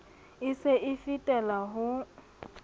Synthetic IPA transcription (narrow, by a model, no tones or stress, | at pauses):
ɪsɪʔɪfitʼɛlaɦʊ